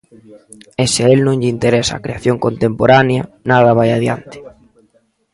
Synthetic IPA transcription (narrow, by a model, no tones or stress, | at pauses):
eseelnõŋʎɪint̪eɾesaaːkɾeaθjoŋkont̪empoɾaneɐnað̞ɐβ̞ajaðjant̪ɪ̥